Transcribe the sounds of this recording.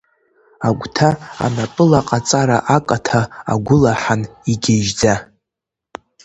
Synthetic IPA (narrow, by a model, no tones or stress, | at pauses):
aɡʷtʰaa̰napʼɨlaqʼat͡sʼaɾaʔakʼatʰaa̰ɡʷʊlaħaniɡʲeʒd͡za